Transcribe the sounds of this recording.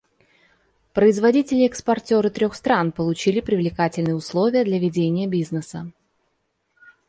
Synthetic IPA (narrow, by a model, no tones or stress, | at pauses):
pɾəɪzvɐdʲitʲɪlʲɪɛkspɐrtʲo̞ɾɨt̪ɾʲo̞xst̪ɾanpəlˠʊt͡ɕilʲɪpɾʲɪvlʲɪkatʲɪlʲnɨjəʊslˠo̞vʲɪjəd̪lʲɐvʲɪdʲenʲɪjəbʲiznəsə̰